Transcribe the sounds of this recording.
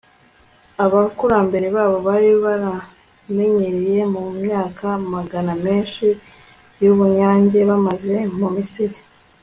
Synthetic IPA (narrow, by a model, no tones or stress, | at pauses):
aβakuɾaːmbe̞ɾe̞βaːβo̞βaɾiβaɾa | me̞ɲeɾije̞mumɲaːkʰamaɡaname̞ːnʃi | juβuɲaːɲɟe̞βamaze̞mumisiɾi